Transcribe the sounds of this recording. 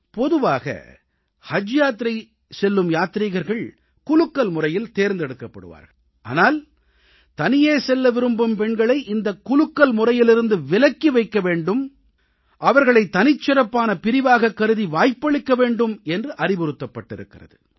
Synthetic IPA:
pɔðɯʋaːɣɐ̰ | hɐd͡ʒjaːt̪ɪɾɐɪ | sɛlːɯmjaːt̪ɪɾiːɣɐɾɣɐɭ | kʊlɯkːɐlmʊrɐjɪlt̪eːɾnd̪ɛɽɯkːɐpːɐɽɯ̰ʋa̰ːɾɣɐɭ | ʔa̰ːnaːl | t̪ɐnɪjeːsɛlːɐʋɪɾɯmbɐmpɛɳɡɐɭɐɪʔɪnd̪ɐkːʊlɯkːɐlmʊrɐjɪlɪɾɯnd̪ɯʋɪlɐkːiʋɐɪkːɐʋeːɳɖɯm | ʔɐʋɐɾɣɐɭɐɪt̪ːɐnɪt͡ʃːɪɾɐpːaːnɐpɪɾɪʋaːɣɐkːɐɾɯðiʋaːjpːɐɭɪkːɐʋeːɳɖɯmɛndrɯʔɐrɪpɔɾɯt̪ːɐpːɐʈːɪɾɯkːɪrɐðɯ

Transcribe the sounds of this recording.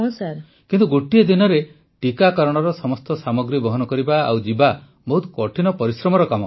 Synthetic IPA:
õsaɾ | kint̪uɡoʈied̪inɔɾe | ʈikakɔɾɔɽ̃ɔɾɔsɔmɔst̪ɔsamɔɡɾibɔɦɔnɔkɔɾibaa̰wd͡ʒiba | bɔɦut̪ʰɔ̥kɔʈʰinɔpɔɾisɾɔmɔɾɔkamɔ

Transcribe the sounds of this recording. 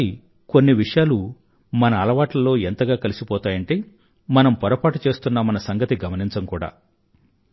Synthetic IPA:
i | ko̞nːiʋiʂɐjaːlu | mɐnɐːlɐʋaːʈlɐlo̞ːent̪ɐɡaːkɐlisipɔːt̪aːjɐɳʈe̞ː | mɐnɐmpɔɾɐpaːʈut͡ʃe̞ːst̪unːɐmɐnɐsɐŋɡɐt̪iɡɐmɐniɲt͡ʃɐmkuːɽa̰ː

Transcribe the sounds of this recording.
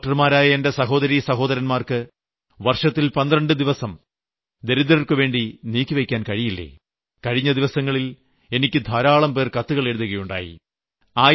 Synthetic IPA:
ʈːɐrmaːɾaːjɐende̞sɐɦo̞ːðɐɾisɐɦo̞ːðɐɾɐnmaːrkɨ | ʋɐrʂɐt̪ːilpɐnd̪rɐɳɖɨd̪iʋɐsɐm | d̪e̞ɾid̪ɾɐrkɨʋe̞ːɳɖiniːkʲːɨʋe̞kʲːaːnkɐɻijilːḛ | kɐɻiɲːɐd̪iʋɐsɐŋːɐɭil | e̞nikʲːɨd̪ʱɐɾaːɭɐmpe̞ːrkɐt̪ːuɣɐɭe̞ɻuðuɣɐjuɳɖa̰ːjḭ | aː

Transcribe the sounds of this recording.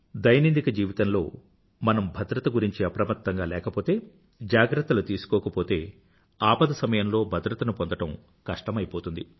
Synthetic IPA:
d̪ɐjnind̪ikɐd͡ʒiːʋit̪ɐnlo̞ː | mɐnɐmbʱɐd̪ɾɐt̪ɐɡuɾiɲt͡ʃiɐpɾɐmɐt̪ːɐŋɡaːlɛːkɐpo̞ːt̪e̞ː | d͡ʒaːɡɾɐt̪ːɐlut̪iːsu̥kɔːkɐpo̞ːt̪e̞ː | aːpɐd̪ɐsɐmɐjɐmlo̞ːbʱɐd̪ɾɐt̪ɐnupond̪ɐʈɐm | kɐʂʈɐmɐjipoːt̪und̪i

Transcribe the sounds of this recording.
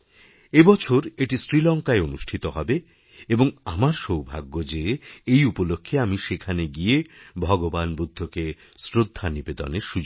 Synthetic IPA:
ebɔt͡ɕʰoɾeʈisɾilɔŋkaeonuʃʈʰit̪oɦɔbe | eboŋamaɾʃowbʱa̰ɡːod͡ʑeejupolokʰːeamiʃekʰaneɡiebʱɔɡobanbud̪ʱːoke | sɾod̪ʱːanibed̪o̰neɾʃud͡ʑo

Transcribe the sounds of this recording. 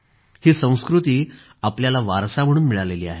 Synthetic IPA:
hiːsə̃w̃skɾut̪iː | apljalaʋa̰ɾsam̤əɽ̃uːnmiɭaleliːa̰ɦe

